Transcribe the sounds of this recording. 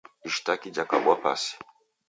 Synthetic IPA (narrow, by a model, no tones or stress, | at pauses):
iʃtakid͡ʒakaɡwapa̰si̥